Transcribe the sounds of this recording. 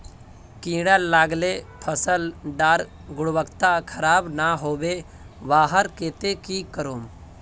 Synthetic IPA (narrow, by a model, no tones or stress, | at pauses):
kĩːɽəlːaːɡlepʰəsəlɖaːɾɡʊɽʋəkt̪akʰəɾaːbnaɦoːbe | ʋaːɦəɾkeːt̪ekikəɾoːm